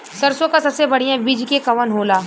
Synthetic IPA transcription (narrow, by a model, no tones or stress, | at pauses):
sɐɾsõkasɐbsebɐɽ̤ijãbid͡ʒkekɐʋənɦoːlaː